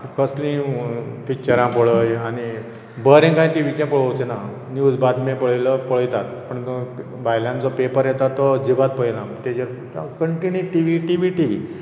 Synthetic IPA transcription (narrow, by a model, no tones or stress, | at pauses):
kəslĩpik̚t͡ɕəɾãpəɭəjani | bəɾẽŋkaĩʈiʋit͡ɕãpəɭəwt͡ɕena | njud͡zbad̪mẽpəɭjləpəɭəjt̪at̪pəɳ | bʱajljãnd͡zɔpepəɾjet̪at̪ːɔd͡ʑibat̪̚pəɭilãt̪ed͡ʑeɾ | kəɳʈiniʈiʋiʈiʋiʈiʋ̤i